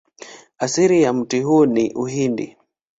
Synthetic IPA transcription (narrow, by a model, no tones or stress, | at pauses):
asiɾijam̩tiɦuniʔuɦindḭ